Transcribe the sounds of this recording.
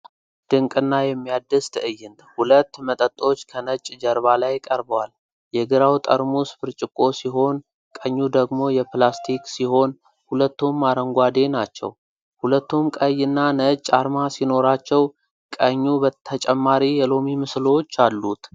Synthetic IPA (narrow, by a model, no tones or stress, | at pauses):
d̪̥ɨŋkʼɨnːajɛmːijad̪ːɨst̪ʰɨʔɨjːɨnt̪hulət̪ːmət̪ʼət̪ʼːo̞t͡ʃːkʰənət͡ʃʼd͡ʒəɾβalajkʼəɾbəwal | jɛɡɨɾawt̪ʼə̰ɾmusɨ̥fɨɾt͡ʃʼɪkʼːo̞siɦo̞n | kʼəɲːud̪əɡmo̞jɛplast̪ʰiksiho̞n | hulət̪ːumːaɾəŋɡʷad̪e̞nat͡ʃːɛ̰w | hulət̪ːumkʼəjːɨnːanət͡ʃʼːaɾmasino̞ɾat͡ʃːɛw | kʼəɲːubət̪ʰət͡ʃʼɛmːaɾijɛlo̞mimɨslo̞t͡ʃːalːut̪